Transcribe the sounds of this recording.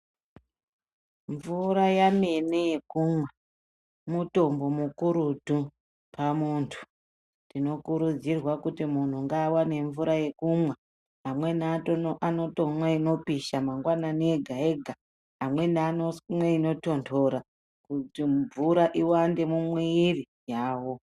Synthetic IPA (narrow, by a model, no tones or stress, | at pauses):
ɱvuɾajame̞nejekuːmwe | muto̞mbo̞mukuɾudʱu | pamuːntʰu̥ | ndino̞kuɾud͡zirwakutimun̤uŋɡaːwane̞ɱvuɾaje̞kumwe | amwe̞nːtoʔano̞tomwaino̞piʃamaŋɡwanane̞ɡʱae̞ɡʱa | amwe̞nanomwe̞ino̞to̞ntʰo̞ɾa | kuiɱvuɾaʔiwande̞mumweiri | jaːwo̞